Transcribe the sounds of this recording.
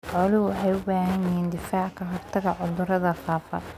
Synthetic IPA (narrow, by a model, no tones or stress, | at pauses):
ʕɔlɪwħɑjʊbaːɦɐnɪɦiːnd̪ɪfaːʕkʰɐɦɔrt̪ʰɐɣɐʕʊðʊɾɐðɐfaːfɐ̰